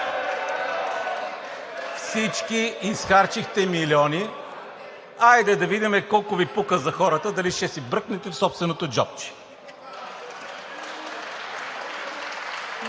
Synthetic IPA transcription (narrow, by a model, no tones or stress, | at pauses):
fsit͡ʃkiːsxaɾt͡ʃixt̪ɛmiliɔni | ajd̪ɛd̪ɐvid̪imɛkɔlˠkʊvipukəzɐxɔɾət̪əd̪ɐliʃt̪ɛsibɾɤknɛt̪ɛfsɔpst̪vɛnot̪od͡ʒɔ̰p̚t͡ʃi̥